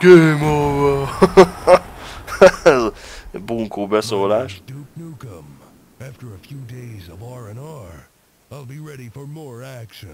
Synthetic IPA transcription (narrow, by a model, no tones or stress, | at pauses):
kemova | ɛzbuŋkoːbɛsoːlaːʃd̥up̚nukə̃m | æftə˞əfjudeɪzʌvɑɹɛ̃nɑɹ | aɪlˠbiɹɛɾifɔ˞mɔɹækʃɨ̃n